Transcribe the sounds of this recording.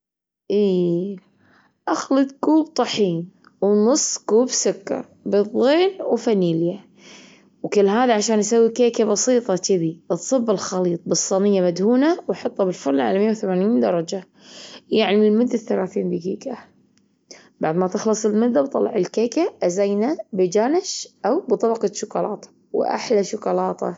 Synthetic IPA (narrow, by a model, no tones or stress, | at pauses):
ʔiː | ʔaxlɨt̪̚kuːbt̪ˤɑħiːn | wnʊsˤːɡuːbsʊkːɑ̰ɾˤbɨðˤːeːnwfaniːlja | wkɪlːɦaːðaʕaʃaːnʔasawːikeːkabɑsiːt̪ˤɑt̪ɪbit̪sˤɨbːɪlxɑliːt̪̚ˤbɨsˤːɑnɪjːamad̪huːnawħɑt̪ˤːɑbɪlfʊɾllʕa̰lamɪjːawθamaːniːnd̪ɑɾˤɑd͡ʒa | jaʕnɪmɪlmʊd̪ːaθalaːθiːnb̪ɪɡḭːka | b̥aʕd̪mat̪ɪxlɨsˤɪlmʊd̪ːabt̪ˤɑlːɑ̰ʕɪlkeːkaʔazajnabɪd͡ʒaːnɪʃʔawbt̪ˤɑbɑqɑt̪ʃʊkʊlɑːt̪ˤ | wʔa̰ħlaʃʊkɑlɑːt̪ˤʰɑ̰